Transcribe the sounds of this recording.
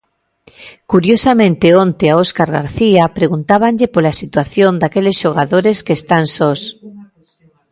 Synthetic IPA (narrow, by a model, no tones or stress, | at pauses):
kuɾjosamẽnt̪ɪont̪eaoskaɾɣa̰ɾθiapɾeɣunt̪aβ̞aɲʎepolasit̪waθjond̪akelesʃoɣ̞aðoɾeskeːst̪ansos